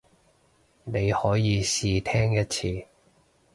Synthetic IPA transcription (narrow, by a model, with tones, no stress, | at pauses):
ne˨˧jhɔː˨˥jiː˨˧siː˧t̪ʰɛː˥ŋjɐ˥t̚t͡sʰiː˧